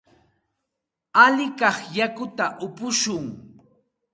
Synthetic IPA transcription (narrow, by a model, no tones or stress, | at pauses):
aʎɪkɑχjakʊt̪aʔʊpʊʃʊŋ